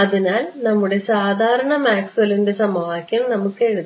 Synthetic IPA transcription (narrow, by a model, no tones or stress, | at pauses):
ɐðinaːlnɐmːuɽe̞saːd̪ʱaːɾɐɳɐmaːksɐlinde̞sɐmɐʋaːkʲːɐmnɐmukːe̞ɻuð